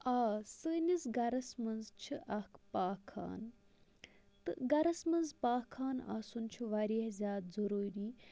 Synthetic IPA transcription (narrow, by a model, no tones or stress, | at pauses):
aːsɨnʲizɡɐɾɐsmɐnzt͡ʃʰɨʔɐkʰpaːkʰa̰ːn | t̪ɨɡɐɾɐsmɐnzpaːkʰːaːna̰sunt͡ʃʰuʋaɾihzʲaːt̪zɐɾuːɾiː